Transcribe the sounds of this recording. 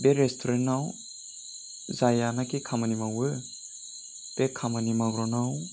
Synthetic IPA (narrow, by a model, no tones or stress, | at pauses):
beɾestʰoɾenaw | zajanakikʰamɯnimawɯ | b̥ekʰamɯnimaɡɾɔnaw